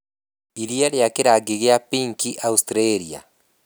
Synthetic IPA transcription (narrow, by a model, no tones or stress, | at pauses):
iɾiaɾeakeɾaɡiɣeapiŋkiʔaustɾeɾia̰